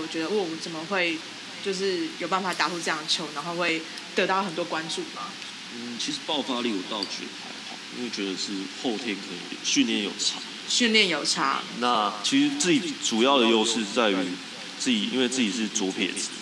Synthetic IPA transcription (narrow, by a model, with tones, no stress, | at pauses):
wɔ˨˩t͡ɕɥɛ˧˦d̪ə˧wɔ˥˩wɔ˨mə˦t͡sə˨˩nmə˨˦xwe˥˩ɪ | t͡ɕjo˥˧ʊʂ̬ɻ̩˥˩jo˨˩ʊpa˥˩nfa˨˩t̪a˨˩xu˥˧ʈ͡ʂɤ˥˧jɑ˥˩ŋə˩t͡ɕʰjo˧˥ʊna˧˥nxo˥˧ʊxwe˥˩ɪ | t̪ə˧˥t̪ɑ˥˩ʊxə˨˩nt̪wɔ˥kwa˦nʈ͡ʂu˥˨ma˩˦ | n̩˥˩t͡ɕʰi˧˥ʂɻ̩˧˥pɑ˥˨˩ʊfa˥li˥˩wɔ˨˩t̪ɑ˥˩ʊt͡ɕɛ̰˧˥˨pʰa˧˥ɪxɑ̰˨˩˦ʊi˥we˥˩˨t͡ɕɥɛ˧˥d̪ə˧ʂɻ̩˥˧xo˥˩ʊt̪ʰjɛ˥nkʰɤ˧˦ḭ˧˩˨ɕy˥˧nljɛ˥˩njo̰˨˩ʊt͡sʰa̰˧˥ | ɕy˥˧nljɛ˥˩njo˨˩ʊt͡sʰa̰˧˥na˥˨˩t͡ɕʰi˧˥ʂɻ̩˧˥t͡s̩˥˩t͡ɕi˨ʈ͡ʂu˨˩jɑ˥˩ʊd̪ə˩jo˥˧ʊʂɻ̩˥˧t͡sa˥˩ɪy˧˥ | t͡s̩˥˩t͡ɕi˨˩ḭ˥nwe˥˧ɪt͡sɹ̩˥˩t͡ɕi˨˩ʂ̬ɻ̩˥˩t͡sɔ˧˦˥pʰjɛ̰˨˩n̩˦